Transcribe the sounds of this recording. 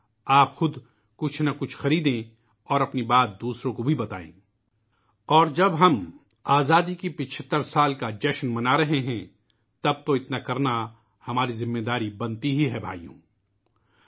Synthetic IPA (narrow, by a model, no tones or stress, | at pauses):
aːpxʊd̪ | kʊt͡ʃʰnakʊt͡ʃʰxɐɾiːd̪ẽ | ɔːɾɐpnibaːt̪̚d̪uːsɾõkobʱibɐt̪a̰ːḛ̃ː | ɔːɾd͡ʒɐbɦɐm | aːzaːd̪ikipɪt͡ʃʰət̪ːəɾsaːlkad͡ʒɛːʃnmɐnaɾɐɦeɦɛ̃ | t̪ɐb̚t̪oɪt̪nakɐɾna | hɐmaːɾizɪmːeːd̪aːɾibɐ̃nt̪iɦiɦɛbʱa̰ːijõ̰ː